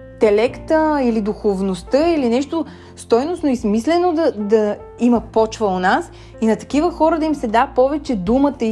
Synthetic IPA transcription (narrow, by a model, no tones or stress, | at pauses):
t̪ɛlɛkt̪əilid̪uxovnost̪əilinɛʃt̪o | st̪ɔjnosnoismislɛnod̪ɐd̪ɐ | iməpɔt͡ʃvəonas | inɐt̪ɐ̥kivəxɔɾəd̪ɐimsɛd̪apɔvɛt͡ʃɛd̪umət̪ə